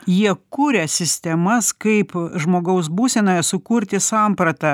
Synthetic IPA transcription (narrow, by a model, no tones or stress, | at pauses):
jiɛkuːɾʲɛsʲɪsʲt̪ʲɛmɐskɐɪpʒmoːɡɐʊs̬buːsʲɛnoːjɛsʊkʊɾʲt̪ʲɪsɑˑmpɾɐt̪ɐ